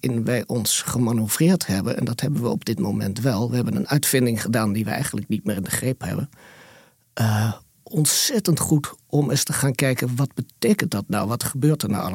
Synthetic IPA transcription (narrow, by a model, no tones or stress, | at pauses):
ɪnʋɛjʔɔnsχəmanov̥rɪːɹthɛbənɛ̰ndɑtɦɛbənʋəɔ̰bdɪtmowmɛntʋɛlˠʋəɦɛbənə̰nœɥtfɪndɪŋχədaːndiʋə̰ɛ̰jχəndələknit̚mɪːrɪndəχrejpɦɛ̰bən | ʔə | ʔɔntsɛtəntχutʔɔməstəχaːnkɛjkənʋɑd̚bətejkənt̚dɑtna̰wʋɑtχəbøːɹtəɹna̰wɑ̰l